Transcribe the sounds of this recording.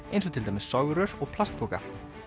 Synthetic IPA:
ejnsɔt̪ʰɪlajmɪsɔɥɣɾʏɾɔɣpʰl̥ast̪̚puːka̰

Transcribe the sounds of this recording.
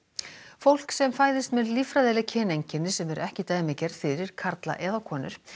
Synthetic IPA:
fowl̥ksɛmfaːjðɪst̪mɛðlifɾaðɛːlɪcʰɛːnejɲcɪnːɪsɛmɛɾʔɛhcɪt̪aːjmɪcɛɾfɪɾɪɾ̥kʰaɾt̪la̰ʔɛːðakʰɔːnʏ̰ɾ̥

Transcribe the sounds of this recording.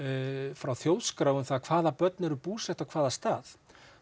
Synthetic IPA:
fɾawθjoːwðskɾaːwvʏmθakʰv̥aːðapœt̪nɛɾʏpuːsɛht̪awkʰvaːðast̪aːð

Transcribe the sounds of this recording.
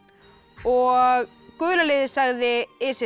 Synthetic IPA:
ɔɣ | kʏːlalɪːðɪsaɣðɪɪsɪ

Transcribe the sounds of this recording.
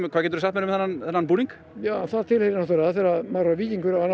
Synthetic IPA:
kʰvaːcɛːt̪ɾʏs̬aht̪mɛɾʏmðθɛnːanθɛnːanpuːniŋk | jaːwanθaðt̪ʰɪlhejɾɪnɔht̪ɛɾaðfjɛɾamaɾaviːciŋkʏɾaanː

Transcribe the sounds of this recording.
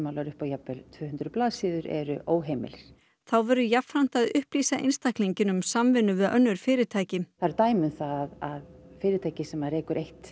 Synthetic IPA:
mawlaɾʏhpajapɪlt̪ʰvœːhʏnt̪ɾʏplaːðsiːðʏɾɛ̰ɾʏʔoːwɦeːjmɪ̰lɾ̥ | θawvɛɾʏjafɾan̥t̪aðʏhpliːsaʔḛjnst̪ahkliɲcɪnʏmsamvɪnʏvɪðœ̰nːʏɾ̥fɪːɾɪɾt̪ʰaːjcɪmθaɾɛɾt̪aːjmʏnθaaðaðfɪːɾɪt̪ʰaːjcɪsɛmaɾɛːkʏɾʔejht̪

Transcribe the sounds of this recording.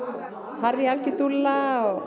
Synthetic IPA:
harialkɪt̪ulːaɔ

